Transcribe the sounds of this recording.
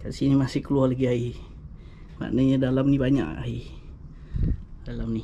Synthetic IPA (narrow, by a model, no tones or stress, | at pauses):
kaʔsinimasɪhkəlualaɡiai | ma̰ʔnəɲadalamnibaɲa̰ʔai | dalamni